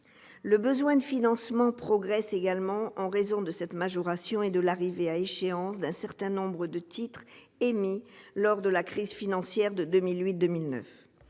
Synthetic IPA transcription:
ləbəzwɛ̃d̪əfinɑ̃smɑ̃pχɔɡʁɛseɡalmɑ̃ʔɑ̃ʁezɔ̃d̪əsɛt̪maʒɔʁasjɔ̃ed̪əlaʁiveaeʃeɑ̃sd̪ɛ̃sɛʁt̪ɛ̃nɔ̃bʁəd̪ət̪ʰit̪χ | emilɔʁd̪əlakχizfinɑ̃sjɛʁd̪əd̪əmilɥit̪̚d̪əmilnœ̰f

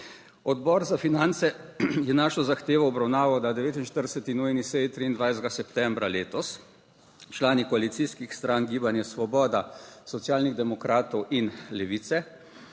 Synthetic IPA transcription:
ɔd̪bɔːɾzafinant̪sɛjɛnaːʃɔzaxt̪eːʋɔɔbɾawnaːʋɔwd̪ad̪ɛʋeːt̪inʃt̪əɾd̪ɛsɛt̪inujnisɛjt̪ɾiind̪ʋajzd̪ɡasɛpt̪ɛmbɾaleːt̪ɔs | t͡ʃlaːnikɔalit̪siskixst̪ɾanɡiːbanjɛsʋɔbɔːd̪asɔt̪sijaːlniɣd̪ɛmɔkɾaːt̪ɔwʔinlɛʋit̪sɛ

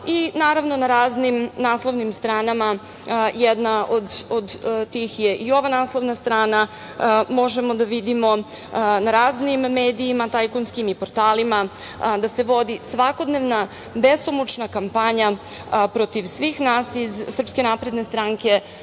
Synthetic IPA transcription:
inaːɾaʋno̞naɾaːznimnaːslˠoʋnimst̪ɾaːnama | jɛd̪naʔod̪od̪t̪ixjeʔio̞ʋanaːslˠoʋnast̪ɾaːna | mo̞ʒemo̞d̪aʋid̪imo̞ | naɾaːznimːe̞ːd̪iːmat̪ajkonskimipo̞ɾt̪aːlima | d̪ase̞ʋo̞d̪isʋako̞d̪neʋna | best̪omut͡ʃnakampaɲa | pɾo̞t̪iʋsʋixnaːsizːr̩pske̞napɾe̞d̪ne̞st̪ɾaŋke̞

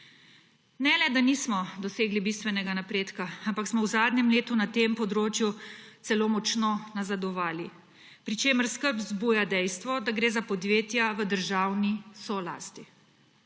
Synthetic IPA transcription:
nɛlɛd̪aniːsmɔd̪ɔseːɡlibist̪ʋɛnɛɡanapɾeːt̪kaampaksmɔwzaːd̪nɛmleːt̪unat̪empɔd̪ɾoːt͡ʃjut̪sɛloːmɔt͡ʃnonazad̪ɔʋaːli | pɾit͡ʃeːməɾskəɾpzbujad̪ɛjst̪ʋɔd̪aɡɾeːzapɔd̪ʋjeːt̪jaʋəd̪əɾʒaːwnisɔla̰ːst̪i

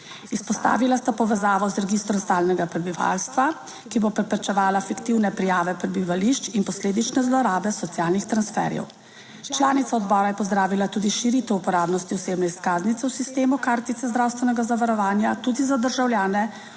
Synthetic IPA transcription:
ispɔst̪a̰ːʋilast̪apɔʋɛzaːʋɔzɾɛɡist̪ɾɔmst̪aːlnɛɡapɾɛbiʋa̰lst̪ʋa | kibopɾɛpɾɛt͡ʃɛʋaːlafikt̪iwnɛpɾijaːʋɛpɾɛbiʋaliʃt͡ʃinpɔsleːd̪it͡ʃnɛzlɔɾaːbɛsɔt̪sjaːlnixt̪ɾansfɛ̰ɾjɛ̰w | t͡ʃlaːnit̪saɔd̪bɔːɾajɛpɔzd̪ɾaːʋilat̪uːd̪iʃiɾit̪ɛupɔɾaːbnɔst̪iɔseːbnɛiskaːznit̪sɛwsist̪eːmukaːɾt̪it̪ɛzd̪ɾaːwst̪ʋɛnɛɡazaʋaɾɔʋaːnjat̪uːd̪izad̪əɾʒawljaːnɛ

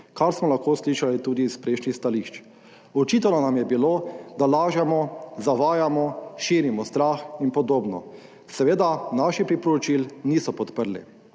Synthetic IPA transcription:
kaɾsmɔlaxkosliʃalit̪uːd̪ispɾeʃnixst̪aliʃt͡ʃ | ɔt͡ʃiːt̪ɛnɔnamjɛbiloːd̪alaːʒamɔzaʋaːjamɔʃiːɾimɔst̪ɾaxinpɔd̪oːbnɔ̰ | sɛʋeːd̪anaʃipɾipɔɾɔt͡ʃilniːsɔpɔt̪pəɾlḭ

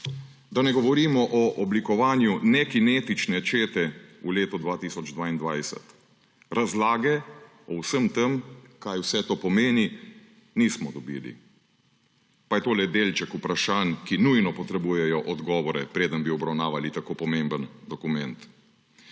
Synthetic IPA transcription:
d̪anɛɡɔʋɔɾiːmɔʔɔʔɔblikɔʋaːnjunɛkineːt̪it͡ʃnɛt͡ʃeːt̪ɛuleːt̪ud̪ʋaːt̪iːsɔd͡ʒd̪ʋaːind̪ʋajsɛ̰t̪ | ɾazlaːɡɛ | ɔwsəmt̪əmkajwsɛt̪oːpɔmeːni | nismɔd̪ɔbḭːlḭ | pajɛt̪oːlɛd̪eːlt͡ʃɛkupɾaʃaːnkinujnɔpɔt̪ɾɛbujɛjɔʔɔd̪ɡɔːʋɔɾɛpɾeːd̪ənbiɔbɾawnaːʋalit̪akopɔmembənd̪ɔkumɛnt̪

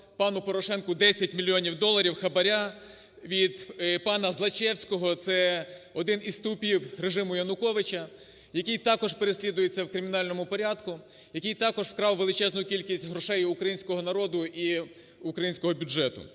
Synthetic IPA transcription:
pɑnʊpɔɾɔʃɛnkʊd̪ɛsʲɐtʲmʲilʲːijɔnʲiwd̪ɔlˠːɐɾʲiwxɐbɐɾʲa | ʋʲid̪pɑnɐzlˠɐt͡ʃɛwsʲkɔɦɔt̪sɛ | ɔd̪ɪnizt̪ʊpʲiwreʒɪmʊjɐnʊkɔʋɪt͡ʃɐ | jɐkijt̪ɑkɔʒpe̞ɾesʲlʲid̪ʊjet͡sʲːɐwkɾɪmʲɪnɑlʲnɔmʊpɔɾʲɑd̪kʊ | jɐkʲijt̪ɑkɔʒfkɾɑwʋːelˠɪt͡ʃɛznʊjʊkʲilʲkʲisʲtʲɦɾɔʃɛjʊkɾɐjinʲsʲkɔɦɔnɐɾɔd̪ʊi | ʊkɾɐjinʲsʲkɔɦɔbʲʊd͡ʒʒɛt̪ʊ̰

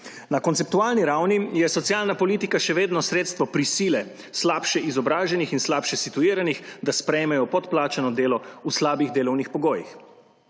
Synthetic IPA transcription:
nakɔntsɛp̚t̪uaːlniɾawnijɛsɔt̪sijaːlnapɔliːt̪ikaʃɛʋeːd̪nɔsɾeːt̪st̪ʋɔpɾisiːlɛ | slaːpʃɛizɔbɾaːʒɛnixinslaːpʃɛsit̪uiːɾanixd̪aspɾɛjmɛjɔpɔt̪plaːt͡ʃanɔd̪eːlɔuslaːbiɣd̪eːlɔwnixpɔɡoːjix

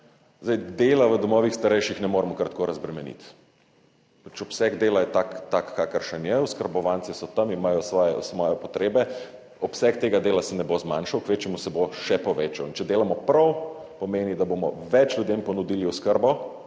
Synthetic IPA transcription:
zd̪ajd̪eːlaʋəd̪ɔmɔːʋixst̪aɾɛjʃixnɛmoːɾmɔkɾat̪koɾɐzbɾɛmɛnḭt̪ | pat͡ʃɔpsɛɡd̪eːlajɛt̪akt̪akːakəɾʃɛnjɛuskəɾbɔʋant̪sɛsɔt̪ɐmimajɔsʋɔjɛ̰sʋɔjɛpɔt̪ɾeːbɛ | ɔpsɛk̚t̪eːɡad̪eːlasɛnɛbozmaːnʃɐwkʋeːt͡ʃjɛmusɛboʃɛpɔʋeːt͡ʃɐwint͡ʃɛd̪eːlamɔpɾɐw | pɔmeːnid̪aboːmɔ̰ | ʋɛt͡ʃlʲjud̪empɔnud̪iliuskəɾbɔ

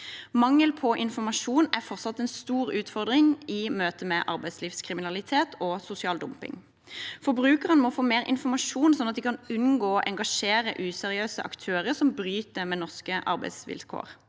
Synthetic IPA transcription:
mɑŋːəlpʰɔʔɪnfɔmɑʂuːnæʁfɔʁsɑt̪ːɛnst̪uːɾʉːt̪fɔʁd̪ʁɪŋɪmøːt̪əmɛʔɑ̰ʁbæɪsliːfskʰʁɪmɪnɑlɪt̪ʰeːt̪ʰɔsʊsɪɑːld̪ʊmpɪ̰ŋ | fɔbɾʉːkəʁənmɔfoːmeːʁɪ̰nfɔmɑʃuːnsɔnːɑt̪̚d̪ikʰɑnʉnɡoːʔɛŋɡɑʂeːɾə̰ʔʉːsɛʁɪøːsə̰ʔɑ̰kt̪ʰøːʁəʁsɔmbɾyːt̪əmɛnɔʁskəʔɑ̰ʁbæɪsʋɪ̰lkʰo̰ːʁ

